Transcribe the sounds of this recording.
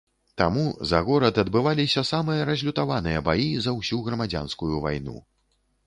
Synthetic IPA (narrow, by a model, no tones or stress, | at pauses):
t̪amuzaɣɔɾɐd̪ɐd̪bɨvalʲisʲɐsamɨjɐɾɐzʲlʲut̪avanɨjɐbajizɐwsʲuɣɾɐmad͡zʲa̰nskujuva̰jnṵ